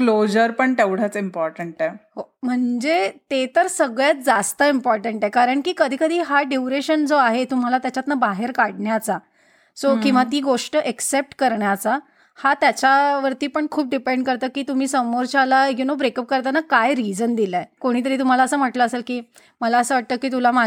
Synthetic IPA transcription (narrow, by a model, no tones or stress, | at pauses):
klod͡ʑəɾpəɳʈ̪eʋɽ̤at͡simpɔɾʈəɳʈɛɦom̤əɳd͡zet̪et̪əɾsəɡɭjat̪̚d͡zast̪əimpɔɾʈəɳʈekaɾəɳkiːkəd̪ʱiːkəd̪ʱiːɦaɖiwɾeɕənd͡zoaɦet̪um̤alat̪jat͡ɕat̪nabaɦeɾkaɽɳjat͡sa | sokĩw̃ʋat̪iːɡoʂʈəʔeksep̚ʈkəɾɳjat͡sa | hat̪jat͡ɕaʋəɾt̪iːpəɳkʰuːp̚ɖipeɳɖkəɾt̪əːkiːt̪um̤iːsəmoɾt͡ɕalajunobɾekəp̚kəɾt̪anakajɾid͡zənd̪ilaekoɽ̃iːt̪əɾiːt̪um̤alaəsəːm̤əʈləːselkiː | məlaəsəːʋaʈ̚t̪əkːiːt̪̬ulama